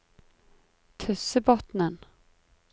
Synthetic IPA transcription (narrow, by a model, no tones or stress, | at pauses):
t̪ʰɵsəbɔt̪nən